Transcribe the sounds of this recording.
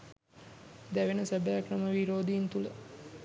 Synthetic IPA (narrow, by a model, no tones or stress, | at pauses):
d̪æʋenəsæbəjakrəməʋiɾoːd̪ijint̪ulə